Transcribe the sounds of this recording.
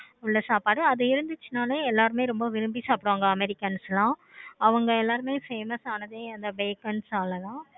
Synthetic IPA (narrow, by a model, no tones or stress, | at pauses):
ʊɭːɐsaːpaːɽɯɐðɐɪɾɯnd̪ɯt͡ʃːɯnaːleɛlːaːɾɯmeːɾɔmbɐʋɪɾɯmbisaːpɪɽʋaːŋɡɐːmɛɾɪkːɐnslãːɐʋɐŋɡɐɛlːaːɾɯmeːfeːmɐsaːnɐðeːɐnd̪ɐbeːkɐnsaːlɐt̪ãː